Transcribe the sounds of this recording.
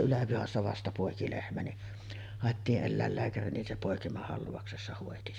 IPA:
ylæpihɑsːɑ ʋɑstɑ poˑeki lehmæ ni hɑˑetːiːʔ ʔelːæˑelːæːkæri nin se poˑekimɑhɑlʋɑuksesːɑ hoˑeti

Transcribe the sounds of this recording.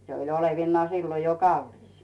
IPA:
se oi oleʋinːŏɑː siːlo jo kɑlːis

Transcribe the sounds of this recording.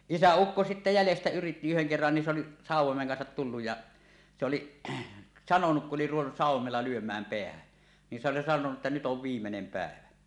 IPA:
isæukːo sitːe jælestæ yritːi yheŋ kerːɑn ni se oli sɑˑuwˑomeŋ kɑnsɑt tulːuj jɑ se oliʔ sɑnonuk kuʔ ʔoli ruʋenːus sɑˑuwˑomelːɑ lyømˑæːm peæhæn ni s oli sɑnonu ʔetːæ nyt oʋ ʋiːmːenem pæˑeʋæ

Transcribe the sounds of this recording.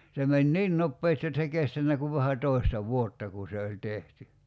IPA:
se menʲ niːn nopːeːsti jot s ei kestænːæ kuʋ ʋæhæ toˑi̞stɑ ʋuotːɑ ku se olʲ tehty

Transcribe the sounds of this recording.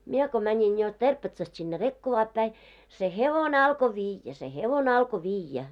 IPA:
mie ko mænʲiŋ jo terpetsɑst sinːe rekːoʋɑːp pæi se heʋone ɑlko ʋiːjːæ se heʋone ɑlko ʋiːjːæ

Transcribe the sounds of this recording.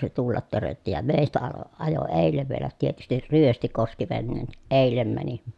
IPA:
se tulːɑt tørøtːi jɑ meˑi̯stæ ɑlo ɑjo eˑilːeʋ ʋielæ tietystir ryøsti koski ʋenːeːn niʔ ʔeˑilˑem mæni

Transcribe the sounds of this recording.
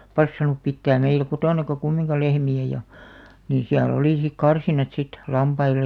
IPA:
pɑsːɑnˑup pitːæːm meilæ̆ kotoˑnɑkɑ kumːiŋkɑ lehmiæ jɑ niː siæl oliˑ sik kɑrsinɑt sit lɑmpɑilˑej̆

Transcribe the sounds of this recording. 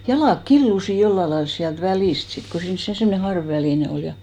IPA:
jɑlɑˑk kilːusi jolːɑ lɑils siælt ʋæliˑst sit ko siːns se semne hɑrʋʋæliˑne ol jɑ

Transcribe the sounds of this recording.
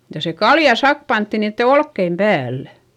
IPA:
jɑ se kɑljɑ sɑk pɑntːi niːtːe olkːeim pæːlːæ̥

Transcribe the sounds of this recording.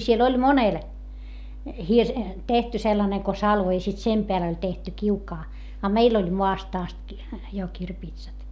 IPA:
siel olʲ monel hirs tehty selːɑneŋ ko sɑlʋo i sit sem peæl olʲ tehty kiukɑː ɑ meil olʲ moɑst ɑst ki jo kirpiːtsɑt

